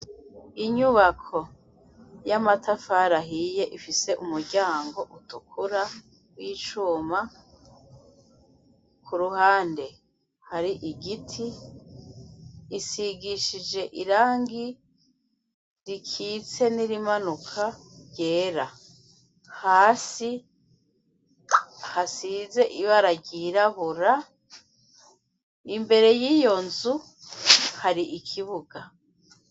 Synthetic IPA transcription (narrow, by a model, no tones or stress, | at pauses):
iɲuβakʰo̞ | jamatʰafaɾaɦije̞ʔifise̞ʔumuɾɟaːŋɡo̞ʔutukʰuɾa | wiːt͡ʃuːma | kʰuɾuhaːnde̞ | haɾiʔiɡitʰi | siɡiʃid͡ʒe̞ʔiɾaːŋɡi | ɾikʰit͡se̞niɾimanukʰaɟe̞ːɾa | haːsi | hasize̞ʔiβaɾaɟiɾaβuɾa | imbe̞ɾe̞jijo̞nzu | haɾiʔikʰiβuɡa